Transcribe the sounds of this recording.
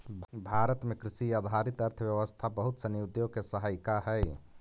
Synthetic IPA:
bʱaɾət̪mekɾisijad̪ʱaɾit̪əɾt̪ʰəbjəʋəst̪ʰabəɦut̪sənjud̪jokesəɦajkaɦɛj

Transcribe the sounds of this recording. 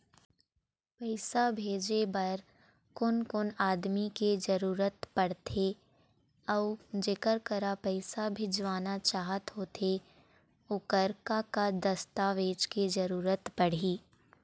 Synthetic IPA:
pɛɪsabʱeːd͡ʒebɐɾ | kʊnkʊnaːd̪miked͡ʒəɾuːɾət̪pɐɽ̤t̪ʰe | ɔd͡ʒeːkəɾkəɾapɛɪsabʱɪd͡ʒʋaːnat͡ʃaːɦət̪ɦoːt̪ʰe | ʊkəɾkakad̪ɐst̪aːʋeːt͡ʃked͡ʒɐɾuːɾət̪pɐɽ̤iː

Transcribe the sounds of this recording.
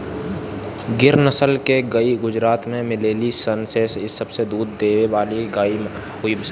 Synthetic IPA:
ɡɪɾnəsəlkeɡəiɡʊd͡ʒɾaːt̪mẽmɪleːlisənseːsɪsəbsed̪uːd̪ːeːʋebaːliɡaːi | ɦʊibs

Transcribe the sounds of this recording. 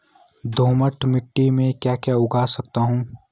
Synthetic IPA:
d̪ʱoːməʈmɪʈːimẽkjaːkjaʊɡʱaːsɐk̚t̪aɦũː

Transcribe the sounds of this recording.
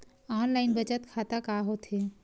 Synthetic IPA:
aːnlaːɪnbət͡ʃət̪kʰaːt̪akaːɦoːt̪ɦeː

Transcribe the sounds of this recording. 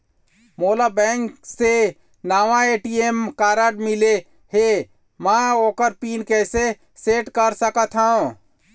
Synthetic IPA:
moːlabɛ̃ŋkse | naːʋãeːʈiemkaːɾəɖmɪle | he | mãoːkəɾpiːnkɛːse | seːʈkəɾsəkət̪ʰɦaũ

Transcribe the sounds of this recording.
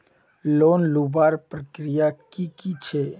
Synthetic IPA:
loːnlubaːɾpɾəkɾijakikit͡ʃʰe

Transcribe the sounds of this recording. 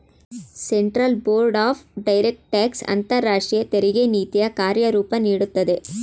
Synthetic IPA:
seɳʈɾɐlboːɾɖaːfɖɐjɾek̚ʈʈaːksɐ̰nt̪ɐɾːaːʂʈɾijɐt̪eɾiɡeniːt̪ijɐkaːɾjɐɾuːpɐniːɽut̪ːɐd̪e

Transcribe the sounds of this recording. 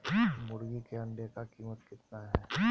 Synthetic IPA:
mʊɽɡikeɐ̃ɳɖekakiːmət̪kɪt̪naɦɛː

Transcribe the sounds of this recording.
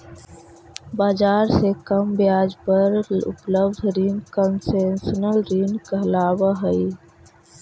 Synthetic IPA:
baːd͡ʒaːɾsekəmbjaːd͡ʒpəɾʊ̰pləbd̪ʱɾinkənsensənəlɾinkəɦlaːbəɦəi

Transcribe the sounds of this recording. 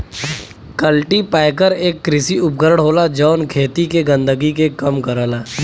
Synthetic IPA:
kəlʈipaːjkəɾeːkːɾɪsiʊpɡəɾɽɦoːlad͡ʒɔːnkʰeːt̪ikeɡə̃nd̪əɡikekəmkəɾəːlaː

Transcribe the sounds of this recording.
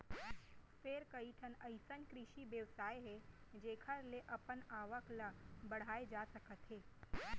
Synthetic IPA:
feːɾkɐiʈʰənɐɪsənkɾɪʃibjəʋsaːjeɦɛd͡ʒeːkʰəɾleʔɐpənaːʋəklabɐɽ̤aːed͡ʒaːsɐkət̪ɦeː

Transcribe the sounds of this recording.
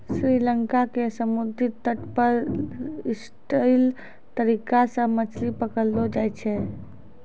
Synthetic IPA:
sɾiləŋkakesəmud̪ʱit̪ːəʈpəɾ | is | ʈəɪl | t̪əɾikasə̃mət͡ʃʰlipəkəlːod͡ʒajt͡ʃʰɛ

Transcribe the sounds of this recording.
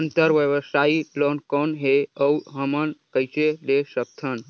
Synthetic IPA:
ənt̪əɾʋjəʋəsailɔnkɔnɦeəwɦəmənkəjt͡ʃelesək̚t̪ʰən

